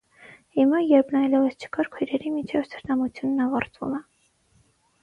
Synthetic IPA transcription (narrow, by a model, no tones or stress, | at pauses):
himɑjɛɾpʰnɑjlɛvəst͡ʃʰə̥kɑɾkʰujɾɛɾimit͡ʃʰɛvsʰə̥ɾt̪ɑmut͡sʰjunːɑvɑɾt̪vṵmɛ